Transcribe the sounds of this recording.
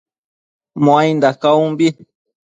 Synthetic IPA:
mõãjnd̪akaũmbi

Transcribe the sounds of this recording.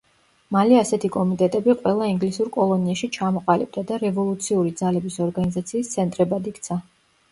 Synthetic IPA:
maliasɛt̪ʰikʼɔmit̪ʼɛt̪ʼɛbiqʼwɛlˠaiŋɡlisuɾkʼɔlˠɔniaʃit͡ʃʰamɔqʼalib̚d̪ad̪aɾɛvɔlˠut̪sʰiuɾid̪zalɛbisɔɾɡanizat̪sʰiːst̪sʰɛnt̪ʼɾɛbad̪ikt̪sʰa

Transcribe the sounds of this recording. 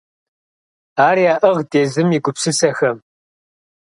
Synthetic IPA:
aːɾiaːʔɨʁdeːzɨmiːɡʷʊpsɨsɐxɐm

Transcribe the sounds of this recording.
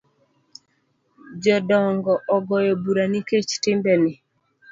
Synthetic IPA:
d͡ʒɔdɔŋɡɔʔɔɡɔjɔbuɾaniket͡ʃtɪmbɛnɪ

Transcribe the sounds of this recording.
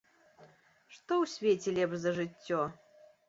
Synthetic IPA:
ʂt̪ɔwsʲvʲet͡sʲɛlʲɛbʐzɐʐɨtʲːɔ

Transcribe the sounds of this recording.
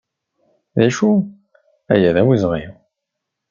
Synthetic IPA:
ðæʃu | æ̰jæðæwizʁi

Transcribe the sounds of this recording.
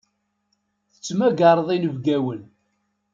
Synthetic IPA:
θə̥t͡sːmæɡɑɾˤðˤinəvɡæwən

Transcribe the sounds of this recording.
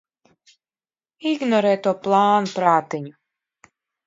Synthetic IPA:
iɡnɔɾɛːt̪uɔplˠaːnupɾaːt̪iɲu

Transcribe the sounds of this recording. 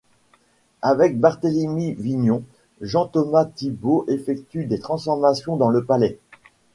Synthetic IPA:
avɛk̚baʁt̪elemiviɲɔ̃ | ʒɑ̃t̪ɔmat̪iboʔefɛkt̪yd̪et̪χɑ̃sfɔʁmasjɔ̃d̪ɑ̃ləpalɛ

